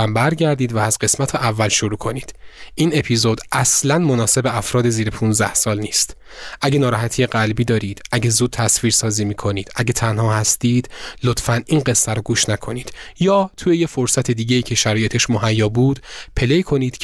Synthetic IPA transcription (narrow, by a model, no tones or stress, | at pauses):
æmbæɾɟæɾd̪iːd̪væːzɡe̞smæt̪ʰeʔævːælʃoɾuːkʰo̞niːd̪̥ʔiːne̞pʰiːzo̞d̪ʔæslænmo̞nɒːse̞beæfɾɒːd̪eziːɾepʰunzd̪æhsɒːlniːst̪ | ʔæɟe̞nɒːɾɒːɦæt̪ʰijeɢælbiːd̪ɒːɾiːd̪̥æɟezuːd̪̥̚t̪ʰæsviːɾsɒːziːmiːkʰo̞niːd̪̥æɟe̞t̪ʰænhɒːhæst̪iːd̪̥lot̪ʰfænʔinɢe̞sːæɾɔɡuːʃnækʰo̞niːd̪̥jɒːt̪ʰujejefoɾsæt̪ʰed̪iːɟe̞iːcʰe̞ʃæɾɒːje̞t̪ʰeʃmoɦæjːɒːbuːd̪̥pʰe̞lejkʰo̞niːd̪̥kʰ